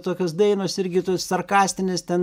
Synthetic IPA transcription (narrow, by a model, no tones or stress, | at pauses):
t̪oːkʲosd̪ɐɪnoːsɪɾʲɡʲɪt̪oːssɐrkɑːsʲt̪ʲɪnʲɪst̪ʲɛn